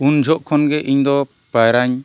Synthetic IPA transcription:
und͡ʒʱɔʔkʰɔnɡɛʔiɲd̪ɔ | pajɾaɲ

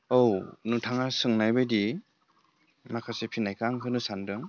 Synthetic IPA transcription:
ownutʰaŋasɯŋnajbɯjdi | makʰasepʰinajkʰaŋkʰɯnɯsandɯŋ

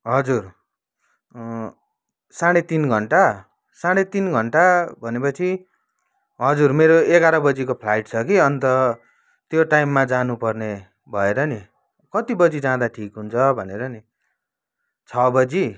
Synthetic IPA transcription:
ɦʌd͡zur | saɽ̃et̪inɡʱʌɳʈa | saɽ̃et̪inɡʱʌɳʈabʱʌnepʌt͡sʰi | ɦʌd͡zurmeɾoeɡaɾʌbʌd͡zikopʰlajʈt͡sʰʌkiʌnt̪ʌ | t̪joʈajmːad͡zanupʌrne | bʱʌeɾʌni | kʌt̪ibʌd͡zid͡zãd̪aʈʰikɦunt͡sʰʌbʱʌneɾʌni | t͡sʰʌbʌd͡zi

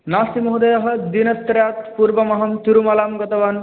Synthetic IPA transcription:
naːsimɐɦud̪ɐjɐɦɐ̆d̪inɐst̪ɾjaːt̪puɾbɐmɐɦɐmt̪uɾumɐlaːmɡɔt̪ɐʋaːn

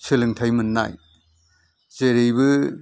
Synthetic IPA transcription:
sʰɯlɯŋtʰajmɯnːa̰j | zeɾijbɯ

